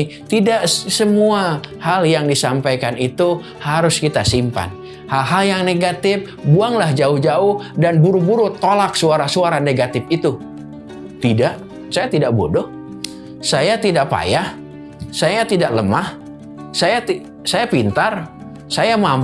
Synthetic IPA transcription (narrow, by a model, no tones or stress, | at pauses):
t̪idaʔsəmuahaljaŋdisampajkanit̪u | haɾʊskit̪asimpa̰n | halɦaljaŋneɡat̪ɪf̚ | buaŋlahd͡ʒaʊhd͡ʒaʊhdanbuɾubuɾut̪ːolak̚suaɾasuaɾaneɡat̪ɪfit̪u | t̪idaʔ | sajat̪idaʔbodɔh | sajat̪idaʔpa̰jah | sajat̪idaʔləmah | saja | sajapint̪ar | sajamam